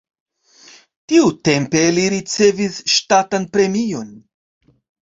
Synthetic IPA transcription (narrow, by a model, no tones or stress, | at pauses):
tiute̞mpe̞liɾit͡se̞visʃtatanpɾe̞mio̞n